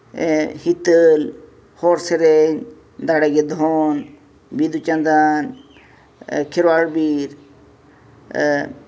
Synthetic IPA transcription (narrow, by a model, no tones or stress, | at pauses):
hit̪əl | hoːɾseɾeɲ | d̪aːɽeɡed̪ʱoːn | bid̪ut͡ʃɐ̃nd̪aːn | kʰɪɾʋaːɽbiːɾ